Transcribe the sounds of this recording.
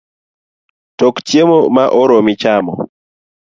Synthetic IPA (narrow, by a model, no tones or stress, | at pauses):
tɔktjemɔmaʔɔɾɔmit͡ʃamɔ̰